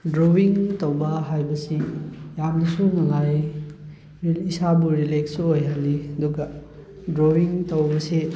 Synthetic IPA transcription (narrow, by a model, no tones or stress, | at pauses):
dɾowiŋtowbɐɦajbɐsijamnɐsunaŋaj | isabuɾileksuojɦalːiɐduɡɐ | dɾowiŋtɐwbɐse